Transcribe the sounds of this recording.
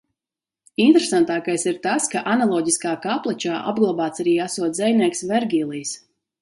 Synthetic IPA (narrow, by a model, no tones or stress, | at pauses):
int̪ɾesant̪aːkajsiɾt̪askaʔanalˠɔːɟiskaːkaplˠɛt͡ʃaːʔa̰bɡlˠabaːt̪saɾiːasuɔt̪zɛjnʲiɛksvɛɾɡʲiːlˠiːs